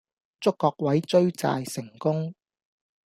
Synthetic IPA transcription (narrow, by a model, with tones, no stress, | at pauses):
t͡sʊ˥kːɔː˧k̚wɐ˨˥jt͡sɵ˥ɥt͡sa̰ː˧jsɪ˨˩ŋkʊ˥ŋ